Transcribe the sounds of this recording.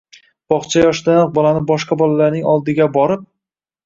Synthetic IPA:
b̥ɒχt͡ʃʰajɒʃd̪anɑq̚bɒlanɪbɒʃqɑbɒlalaɾnɪŋɒlˠd̪ɪɡʲabɒɾɪp̚

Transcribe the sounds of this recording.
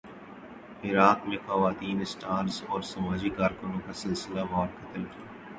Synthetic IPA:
ɪɾaːkmẽxɐʋaːt̪iːnɪsʈaːɾsɔːɾsɐmaːd͡ʒikaːɾkʊnõkasɪlsɪlaʋɔːɾkʰɐt̪əlkijaː

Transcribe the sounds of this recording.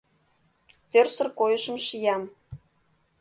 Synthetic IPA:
t̪ørsə̆rkojəʃəmʃijɑm

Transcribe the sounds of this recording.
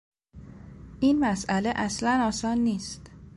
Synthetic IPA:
ʔiːnmæsʔæleʔæslænɒːsɒːnːiːst̪

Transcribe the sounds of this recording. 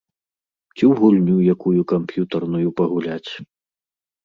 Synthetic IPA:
t͡sʲiwɣulʲnʲujakujukampjut̪ɐrnujupɐɣulʲat͡sʲ

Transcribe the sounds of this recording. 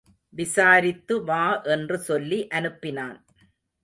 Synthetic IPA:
ʋɪsaːɾɪt̪ːɯʋaːʔɛndrɯsɔlːiʔɐnɯpːɪnaːn

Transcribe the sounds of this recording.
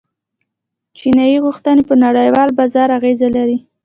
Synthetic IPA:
t͡ʃinɑjiɣuxt̪ənepənaɽəjwɑlbazɑɾaɣezalaɾi

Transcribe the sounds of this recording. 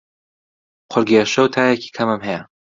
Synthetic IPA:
qʰʊɾɡeːʃɐwt̪ʰaːjekʰi̥ːkʰɐmɨmɦejɛ

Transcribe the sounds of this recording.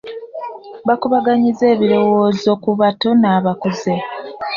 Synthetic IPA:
βakuβaɡaɲize̞ːβiɾo̞wo̞ːzo̞kuβato̞naːβakoze̞

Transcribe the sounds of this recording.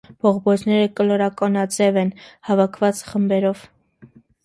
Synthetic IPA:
b̥ʰɔʁbɔznɛɾəkəlɔɾɑkɑnɑt͡sɛvɛnhɑvɑkʰvɑt͡sχəmbɛɾɔv

